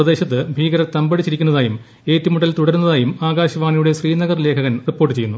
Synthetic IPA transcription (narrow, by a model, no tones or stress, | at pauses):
rɐd̪e̞ːɕɐt̪ːɨbʱiːɡɐɾɐt̪ɐmbɐɽit͡ɕːiɾikʲːunːɐðaːjum | e̞ːtːumuɽɐlt̪uɽɐɾunːɐðaːjumaːɡaːɕɐʋaːɳijuɽe̞ɕriːnɐɣɐrle̞ːkʰɐɣɐnripːo̞ːʈːɨt͡ɕejːunːu